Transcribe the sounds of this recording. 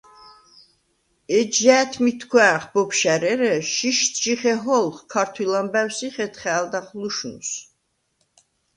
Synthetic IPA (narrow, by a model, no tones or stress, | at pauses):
ɛd͡ʒæːt̪ʰmit̪ʰkʰwæːχbɔpʃæɾɛɾɛʃiʃt̪ʰt͡ʃiχɛɦɔlˠχkʰaɾt̪ʰwilambæwsiχɛt̪χɛːld̪aχluʃnṵs